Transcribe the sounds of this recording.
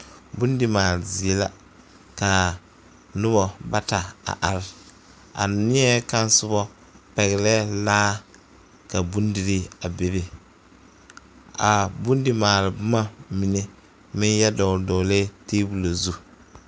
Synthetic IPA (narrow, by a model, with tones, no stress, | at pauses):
bu˦ndɪ˨maː˨lɪ˨zi˨e˦la˦ | ka˨ | nʊ˦βɔ˨ba˦ta˨a̰˨ʔa˨ɾɪ˦ | a̰˨nɪ˦ɛ˦ka˦n˦sʊ˦bɔ˦ | pɛ˨ɣɪ˨lɛ˦laː˦ | ka˨bu˦ndi˨ɾi˦a˨be˨be˦ | a˨bu˦n˦dɪ˦maː˨lɪ˨bʊ˦ma˦mi˨ne˨ | mɪ˦njɛ˦dɔ˨dɔ˨le˦teː˦bu˨lo˨zu˦